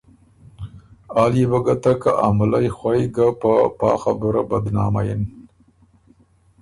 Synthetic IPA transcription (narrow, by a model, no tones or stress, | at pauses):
ɑːlibaɡat̪aka̰ʔamʊlajxwʷajɡapapɑ̰ːxa̰bʊɾabad̪nɑːma̰jɪn